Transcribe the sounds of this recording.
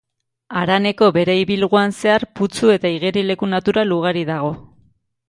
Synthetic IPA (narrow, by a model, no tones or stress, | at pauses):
aɾane̞ko̞βe̞ɾe̞iβilɣ̞uanse̞aɾput͡sue̞t̪aiɣeɾile̞kunat̪uɾaluɣ̞aɾiðaɣ̞o̞